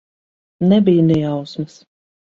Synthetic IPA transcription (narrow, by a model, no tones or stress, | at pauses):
nɛbijnɛjawsmɐs